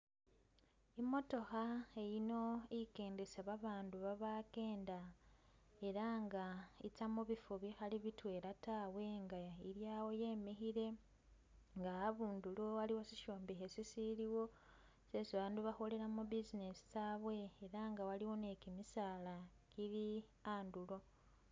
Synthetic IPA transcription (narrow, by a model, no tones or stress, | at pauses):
imo̞to̞xae̞jino̞ike̞ːndesaβaβaːnduβaβake̞ːnda | e̞ɾaŋɡait͡samuβifuβixaliβitwe̞ːɾataːwe̞ŋɡaiɾjaːwo̞je̞ːmixiɾe̞ | ŋɡaaβuːnduloaliwosiʃo̞ːmbexesisiliwo̞ | sesiβaːnduβaxo̞le̞ɾamubizinesi̥saβwe̞ːɾaŋɡawaliwo̞ne̞kimisaːla | kiɾiaːndulo̞